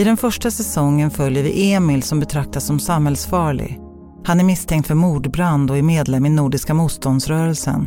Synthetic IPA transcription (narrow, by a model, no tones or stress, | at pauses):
ɪd̪ɛnfœʂʈasɛsɔŋːənfœljəɾvɪ̰ʔeːmɪlsɔmbɛt̪ʰɾak̚t̪asːɔmsamhɛlsfɑːɭɪ̰ɡ | hanæɾmɪst̪ʰɛŋt̪fœɾmuːɖbɾand̪ɔæɾmeːd̪lɛmɪnuːɖɪskamuːt̪st̪ɔnd̪sɾœːɾɛlsə̰n